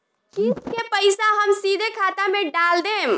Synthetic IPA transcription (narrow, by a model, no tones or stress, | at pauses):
iskepəɪsaɦəmsid̪ʱekʰaːt̪amẽɖald̪em